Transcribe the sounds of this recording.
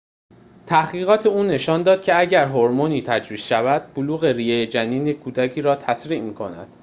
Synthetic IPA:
t̪ʰæhɡiːɣɒːt̪ʰeuːne̞ʃɒːnd̪ɒːd̪̚cʰeæɟæɾɦoɾmoniːt̪ʰæd͡ʒviːsʃævæd̪̥̚boluːɣe̞ɾiːjejed͡ʒæniːnekʰuːd̪æcʰiːɾɒːt̪ʰæsɾiːʔmiːkʰonæ̰d̪̥

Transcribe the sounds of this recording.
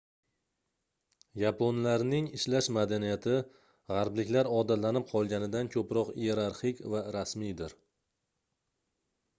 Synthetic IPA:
japʰonlaɾnɪŋɪʃlaʃmad̪anijat̪ʰɪ | ʁɑɾblɪkʲlaɾɒd̪at̪lanɪp̚qʰɒlˠɡʲanɪd̪ankʰɵpɾɒqie̞ɾaɾχɪkʲvaɾasmijd̪ɪɾ

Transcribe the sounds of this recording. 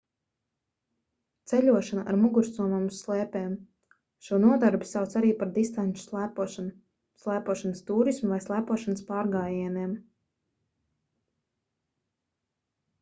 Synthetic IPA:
t̪sɛʎʲuɔʃanaʔaɾmuɡuɾst̪uɔmamuslˠɛːpɛːm | ʃuɔnuɔd̪aɾbi̥sawt̪saɾiːpaɾd̪ist̪ant͡ʃu̥slˠæːpuɔʃanu | slˠæːpuɔʃanəst̪uːɾismuvajslˠæːpuɔʃanəspaːɾɡaːjiɛnɛːm

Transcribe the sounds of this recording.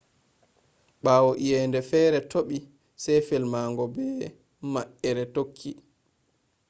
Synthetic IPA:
ɓaːwɔʔijɛːndɛfɛːɾɛtoɓi | sɛjfɛlmaːŋɡɔbɛː | maʔɛɾɛtokʰːi

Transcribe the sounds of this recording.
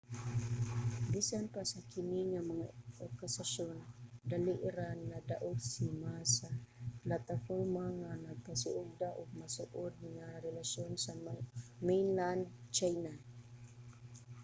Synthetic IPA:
bisanpasakɪniŋamaŋaʔɔkːasaʃond̪aliʔɪɾanːad̪aʔʊɡsimasaplat̪afoɾmaŋanaɡ̚pasʊʔʊɡ̚d̪aʔʊɡ̚masʊʔʊd̪̚ŋaɾɛlaʃjonsamɛjnland̪t͡ʃajna

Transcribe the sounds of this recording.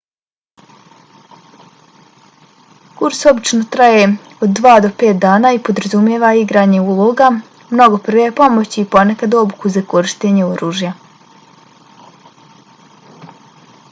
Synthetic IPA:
kuɾso̞bit͡ʃnot̪ɾaje | od̪ːʋaːd̪o̞pe̞ːt̪̚d̪aːnaːipo̞d̪ɾazumjeːʋaiɡɾaːɲe̞uːlˠoɡa | mno̞ɡo̞pr̩ʋepo̞mot͡ɕiːpo̞nekad̪o̞bukuzakoɾiʃt̪eːɲeoɾuːʒja

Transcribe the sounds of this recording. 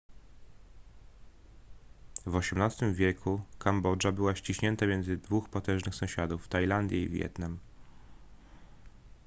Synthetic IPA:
vɔɕɛmnast̪ɘmvʲjɛkʰukambɔd͡ʐabɘwaɕt͡ɕiɕɲɛnt̪amʲjɛnzɘd̪vuxpat̪ɛ̃nʐnɘxsɔ̃ɕad̪uft̪ajland̪ʲjɛḭvʲjɛ̰t̪nam

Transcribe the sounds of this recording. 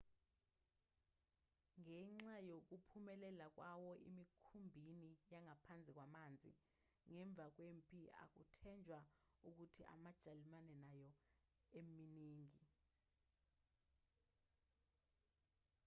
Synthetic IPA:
ŋɛŋ͡ǀajok̬upʰumɛlɛlak̬ʼwawɔʔḭmikʰumbʱinijaŋapʰand͡zʱik̬ʼwamand͡zʱḭ | ŋɛɱb̪vʱak̬wempʼia̰k̬utʰɛnd͡ʒʱwauk̬utʰiʔa̰mad̥ʒ̥ʱalimanɛnajɔ | eminiːŋi

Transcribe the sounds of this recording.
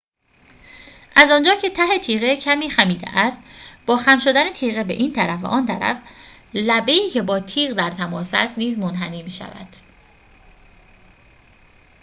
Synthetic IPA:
ʔæzɒːnd͡ʒɒːcʰe̞t̪ʰæɦe̞t̪ʰiːɣecʰæmiːxæmiːd̪ḛʔæst̪b̥ɒːxæmʃo̞d̪æne̞t̪ʰiːɣebḛʔiːnt̪ʰæɾæfvæ̰ʔɒːnt̪ʰæ̰ɾæ̰f | læbe̞iːcʰe̞bɒːt̪ʰiːɣd̪æɾt̪ʰæmɒːsæ̰st̪niːzmonɦæniːmiːʃæ̰væ̰d̪̥

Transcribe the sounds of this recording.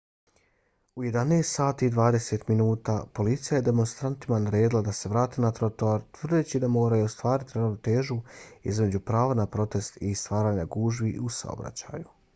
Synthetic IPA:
uje̞d̪aneːst̪saːt̪iːd̪ʋaːd̪e̞set̪minuːt̪aːpo̞lit̪sijaje̞d̪e̞mo̞nst̪ɾant̪imanaɾe̞ːd̪ilˠad̪ase̞ʋɾaːt̪eːnat̪ɾot̪oaɾt̪ʋr̩d̪eːt͡ɕid̪amo̞ːɾajuost̪ʋaːɾit̪iɾaʋnot̪e̞ːʒuḭzme̞d͡ʑupɾaːʋanapɾo̞t̪e̞st̪ist̪ʋaːɾaːɲaɡuːʒbiusa̰o̰bɾa̰t͡ɕa̰ːju

